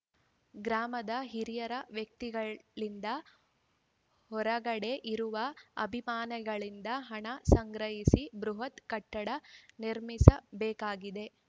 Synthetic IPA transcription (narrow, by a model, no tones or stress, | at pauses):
ɡɾaːmɐd̪ɐɦiɾijɐɾɐʋjɐk̚t̪iɡɐɭind̪ɐ | hɔɾɐɡɐɽe̞ʔiɾuʋɐɐbʱimaːnɐɡɐɭind̪ɐɦɐɳɐsɐŋɡɾɐɦisibɾuɦɐt̪kɐʈːɐɽɐniɾmisɐbɛːkaːɡid̪e̞